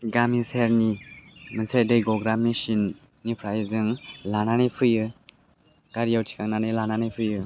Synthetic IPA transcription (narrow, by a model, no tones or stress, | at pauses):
ɡamiseɾnimɯnsʰajdɯjɡɔɡɾamnisinː | ipʰɾajzɯŋlananijpʰɯjɯ | ɡ̥aɾijawtʰi̥kʰaŋnanɯjlananɯjpʰɯjɯ